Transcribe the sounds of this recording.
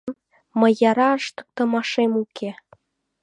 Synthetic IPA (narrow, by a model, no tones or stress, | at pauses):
m | mə̆jɑɾɑəʃt̪ə̥̆k̚t̪ə̆mɑʃemukʰe